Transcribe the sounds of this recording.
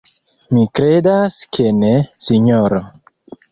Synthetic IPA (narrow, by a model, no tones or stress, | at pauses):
mikɾedaskʰenesiɲoɾo